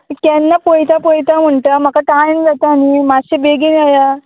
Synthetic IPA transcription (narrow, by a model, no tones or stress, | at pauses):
kɛnːapojt̪apojt̪am̤əɳʈəm̤əkaʈajənɡʱat̪əanimaɕibeɡinaja